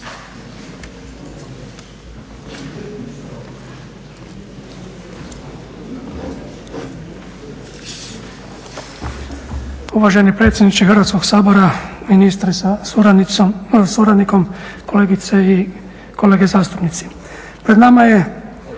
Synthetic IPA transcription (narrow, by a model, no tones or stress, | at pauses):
uʋaʒenipɾe̞t̪sʲjed̪nit͡ʃ̪ixərɾʋat̪sko̞ɡsaːbo̞ɾaminist̪ɾisa | suɾad̪niko̞mkoleːɡit̪sei | ko̞le̞ːɡezaːst̪upnit̪si̥ | pɾed̪namaje